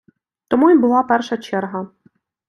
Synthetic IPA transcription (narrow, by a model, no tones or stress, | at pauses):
t̪ɔmuibʊlˠɑpɛrʃɐt͡ʃɛrɦɐ